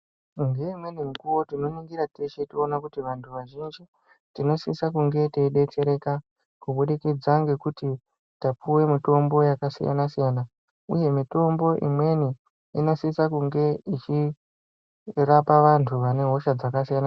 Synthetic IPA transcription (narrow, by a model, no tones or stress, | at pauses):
ŋɡe̞imwe̞niŋɡuwo̞tino̞niŋɡiɾateʃetionakutiʋantʰuʋaʒind͡ʒi | tino̞sisak̬uŋɡe̞teɗe̞t͡ʃe̞ɾe̞ka | kuɓuɗikid͡zaŋɡe̞kuti | tapuwe̞mito̞mbo̞jakasija̰nasijana | ṵje̞mito̞mbo̞ʔḭmwe̞ni | inosisakuŋɡe̞it͡ʃi | rapaʋantʰuʋane̞ɦo̞ʃad͡zakasijana